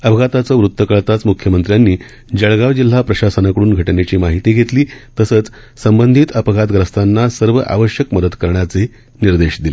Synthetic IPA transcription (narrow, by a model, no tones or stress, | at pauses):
əbʱəɡat̪at͡səːʋɾut̪ːəkəɭt̪at͡smukʰjəmənt̪ɾjanːiː | d͡ʑəɭɡaʋd͡ʑil̤ɦapɾəɕasənakəɽuːnɡʱəʈnet͡ɕiːmaɦit̪iːɡʱet̪liːt̪əsət͡s | səmbənd̪ʱiːt̪əpəɡʱat̪ɡɾəst̪ʰanːasəɾʋəʔa̰ʋəɕjəkməd̪əd̪kəɾɳjat͡se | niɾd̪eɕd̪ile